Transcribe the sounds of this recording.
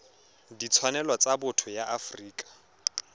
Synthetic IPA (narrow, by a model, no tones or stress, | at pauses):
dit͡sʰwanɛlɔt͡sabʊtʰʊjaʔafriːkʼḁ